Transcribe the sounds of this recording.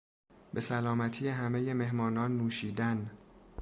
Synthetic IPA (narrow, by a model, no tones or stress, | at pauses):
be̞sælɒːmæt̪ʰiːjeɦæmeje̞me̞ɦmɒːnɒːnːuːʃiːd̪æn